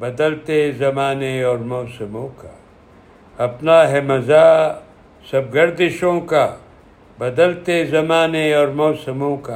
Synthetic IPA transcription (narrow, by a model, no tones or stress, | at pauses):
bɐd̪əlt̪ezɐmaːneɔːɾmɔːsɐmõka | ɐpnaɦɛmɐzaː | sɐb̚ɡɐɾd̪ɪʃõka | bɐd̪əlt̪ezɐmaːneɔːɾmɔːsəmõka